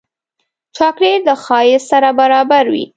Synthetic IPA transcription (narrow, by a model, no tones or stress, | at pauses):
t͡ʃɑkɽed̪əxɑjɪsaɾabaɾɑbaɾwḭ